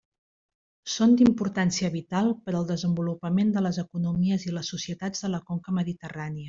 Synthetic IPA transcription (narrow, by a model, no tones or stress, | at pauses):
sond̪impuɾt̪ansiəβit̪alˠpəɾəlˠd̪əzəmbulupəmend̪ələzəkunumiəziləsːusiət̪ad͡zðələkoŋkəməðit̪əraniə